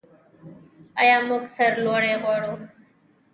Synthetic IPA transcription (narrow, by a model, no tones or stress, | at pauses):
əjãːmʊksəɾloːɽeːɣoːɽoː